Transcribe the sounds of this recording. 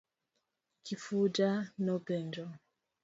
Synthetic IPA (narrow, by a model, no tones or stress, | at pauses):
kʰifudanɔpɛnd͡ʒɔ